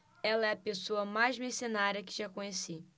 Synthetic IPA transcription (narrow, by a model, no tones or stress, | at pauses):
ɛlɐɛɐpesoɐmajzmisonaɾjɐkɪ̥ʒakõɲesi